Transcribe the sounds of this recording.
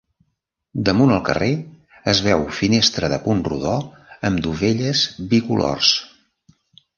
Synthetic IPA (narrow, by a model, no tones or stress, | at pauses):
d̪əmunəlˠkə̰re | əzβɛwfinest̪ɾəðəpunrṵðɔ | əmd̪uβeʎəzβikulɔ̰rs